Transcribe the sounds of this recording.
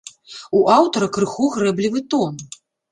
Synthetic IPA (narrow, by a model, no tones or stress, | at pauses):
uʔawt̪ɐɾɐkɾɨxuɣɾɛblʲivɨt̪ɔn